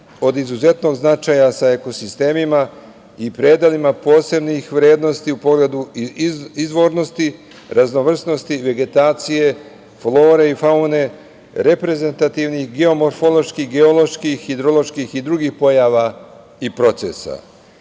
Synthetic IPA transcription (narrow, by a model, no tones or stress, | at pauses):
o̞d̪izuze̞t̪no̞ɡznat͡ʃaːjasae̞ko̞sist̪e̞ːmima | ipɾe̞ːd̪alimapo̞ːse̞bnixʋɾe̞ːd̪no̞st̪iupo̞ɡle̞d̪u | izʋo̞ɾno̞st̪i | ɾʔazno̞ʋr̩sno̞st̪iʋe̞ɡe̞t̪aːt̪sije̞ | flˠo̞ːɾe̞ifaune̞ | ɾe̞pɾe̞ze̞nt̪at̪iʋnixɡe̞o̞mo̞ɾfolo̞ʃkiɦɡe̞olˠo̞ʃkixid̪ɾo̞lo̞ʃkixid̪ɾuɡixpo̞jaːʋa | ipɾo̞t̪se̞̰sa̰